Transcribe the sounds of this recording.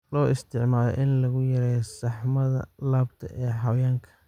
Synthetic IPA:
lɔːʔɪst̪ʰɪʕmaːlɔ̰ʔɪnlɐɣʊjɐɾɛːjsɑħmɐðɐ̰laːbt̪ʰɐ̰ʔɛːħɑwjaːŋkʰɐ

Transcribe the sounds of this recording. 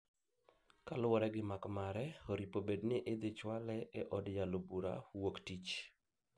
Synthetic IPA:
kalwɔɾɛɡɪmakmaɾɛoɾipobednɪʔed̪ɪt͡ʃwalɛɛʔɔdjalobuɾa̰woktit͡ʃ

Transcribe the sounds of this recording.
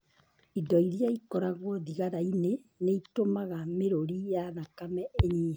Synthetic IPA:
idɔiɾiaikɔɾaɣwɔðiɣaɾaineneitomaɣameɾoɾijanakamɛeɲi

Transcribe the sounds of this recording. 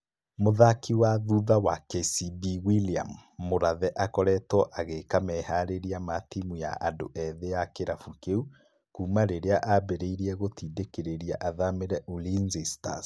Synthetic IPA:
moðakʰiwaðuðawakesibiwilia̰mːoɾaðɛʔakɔɾɛtɔʔaɣekamɛhaɾeɾiamatimuja̰ʔando̰ʔɛðejakeɾafukeu | kuːmaɾeɾeaʔabeɾeiɾiɛɣotiːdekeɾeɾiaʔaðameɾɛʔulinzista̰s

